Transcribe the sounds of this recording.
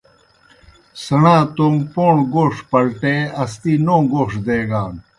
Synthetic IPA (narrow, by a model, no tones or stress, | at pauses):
sɐɳãːt̪ompoːɳɡoːʂpɐlʈeɐst̪iːnõːɡoːʂd̪eːɡaːn